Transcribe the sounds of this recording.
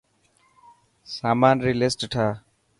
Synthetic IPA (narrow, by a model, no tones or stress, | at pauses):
saːmaːnɾilesʈʈʰaː